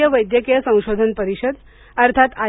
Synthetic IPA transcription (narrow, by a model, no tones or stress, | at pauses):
jəʋəjd̪jəkijəsə̃w̃ɕod̪ʱənpəɾiɕəd̪ | əɾt̪ʰat̪a